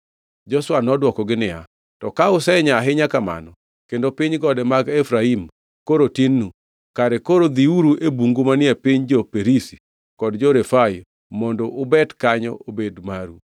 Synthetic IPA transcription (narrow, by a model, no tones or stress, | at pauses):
d͡ʒɔswanɔdwɔkɔɡɪnɪja̰ | tɔkaʊsɛɲaɦɪɲakama̰nɔ | kendopiɲɡɔdɛmaɡefɾaim | koɾotinːu | kaɾɛkoɾod̪iuɾuʔebuŋɡumanɪɛpiɲd͡ʒɔpeɾisi̥ | kɔdd͡ʒɔɾefaj | mɔndɔʔʊbɛtkaɲɔobedmaɾu